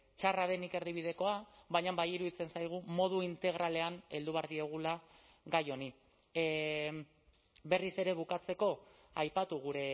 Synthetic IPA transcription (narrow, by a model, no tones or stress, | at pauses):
t͡ʃaraðe̞nike̞ɾðiβið̞e̞ko̞aβajɲambajiɾuðit͡se̞nsajɣ̞umo̞ð̞uint̪e̞ɣ̞ɾʔale̞ane̞ld̪uβeaɾðie̞ɣ̞ula | ɣajo̞ni | be̞rise̞ɾe̞β̞ukat͡se̞ko̞ | ajpat̪uɣ̞uɾe̞